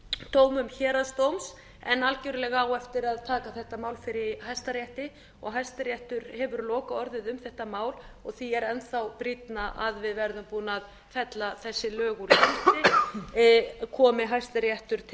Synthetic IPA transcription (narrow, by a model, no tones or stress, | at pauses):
t̪ʰoːwmʏmçɛːɾaðst̪owms | ɛnːalcœɥɾɪlɛɣaawɛft̪ɪɾaðt̪ʰaːkaθɛht̪amaːwlfɪɾɪhajst̪aɾjɛht̪ɪ | ɔ̰ɣɦajst̪aɾjɛht̪ʏɾhɛvʏɾlɔːkaɔɾðɪðʏmθɛht̪amaːwlɔɣθiɛɾɛnθawpɾit̪naʔaðvɪðvɛɾðʏmpuːnað | fɛt̪laθɛsːɪlœːɣʏlt̪ɪ | kʰɔːmɪɦajst̪aɾjɛht̪ʏɾ̥t̪ʰ